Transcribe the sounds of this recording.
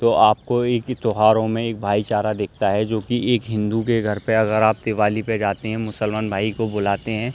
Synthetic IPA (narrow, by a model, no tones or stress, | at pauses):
t̪oʔaːp̚koeːkt̪oɦaːɾõmẽeːk̚bʱaːit͡ʃaːɾad̪eːk̚ʰt̪aɦɛd͡ʒoːkieːkɦɪ̃nd̪ukeɡʱɐɾpeɐɡəɾaːp̚t̪eːʋaːliped͡ʒaːt̪eɦɛ̃mʊsəlmaːnbʱaːikoboːlaːt̪eɦɛ̃